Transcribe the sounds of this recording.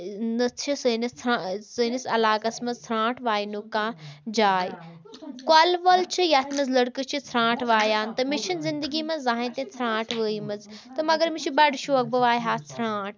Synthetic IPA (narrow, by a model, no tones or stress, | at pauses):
nɐtʰisɐnɐt̪ʰɾasɐnɐsɐlaːkɐsmɐzt̪ʰɾãːʈʰʋaːinukãːd͡ʒaːi | kaːlʋɐlt͡ʃʰijaːt̪ʰmɐzlɐɽkɨt͡ʃʰit͡s̪ʰɾãːʈʰʋaːjaːnt̪ɐmɪt͡ʃʰɐnzɪ̃nd̪əɡimɐ̃zaːɦĩt̪ẽt͡s̪ʰɾãːʈʰʋəimɐz | t̪ɐmɐɡɐɾmɪt͡ʃʰibɐɖʃoːɐk̚bɐʋaːjɦaːt͡sʰɾãːʈ